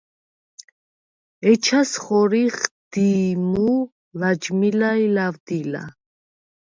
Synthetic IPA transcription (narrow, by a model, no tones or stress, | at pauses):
ɛt͡ʃʰasχɔɾiχd̪̥imu | lad͡ʒmilailavd̪ila̰